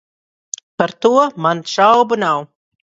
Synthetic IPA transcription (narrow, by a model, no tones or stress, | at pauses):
paɾt̪uɔmanʃawbunaw